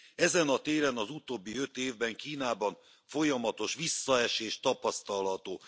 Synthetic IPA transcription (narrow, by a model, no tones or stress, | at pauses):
ɛzɛnɒt̪eːɾɛnɒzut̪oːbːiø̞t̪eːvbɛŋkiːnaːbɒɱ | fo̞jɒmɒt̪o̞ʃʋisːɒɛʃeːʃt̪ɒpɒst̪ɒlɦɒt̪oː